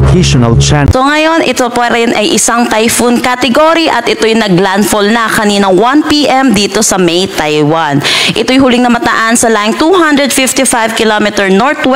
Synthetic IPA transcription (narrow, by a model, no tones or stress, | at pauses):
kʰeʃonɐlt͡ʃasoŋɐjo̞nʔɪt̪opaɾɐjʊnʔɐjʔɪsaŋt̪ajfunkat̪ɛɡoɾiʔɐt̪ʔɪt̪ojʊŋnɐɡlanfolnɐkɐniːnɐŋwanpiʔɛmd̪iːt̪o̞sɐmɛjt̪ajwanʔɪt̪o̞jhulɪŋnɐmɐt̪ɐʔansɐlaɪŋt̪uhand̪ɹɛd̪̚fɪft̪ifajvkɪlomɛt̪ɛɹnoɹt̪wɛ